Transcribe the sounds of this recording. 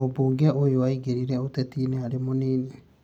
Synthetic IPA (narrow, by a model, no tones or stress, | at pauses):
obuːŋɡɛojowaiɡeɾiɾɛotɛtiːneaɾemoneːne